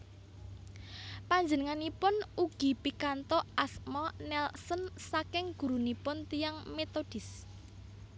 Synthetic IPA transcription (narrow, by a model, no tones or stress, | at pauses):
paɲd͡ʒənəŋanipʊnuɡ̥i̤pikant̪ɔʔasmɔnɛlsənsakɪŋɡ̥ṳɾunipʊnt̪ijaŋmet̪od̥ɪs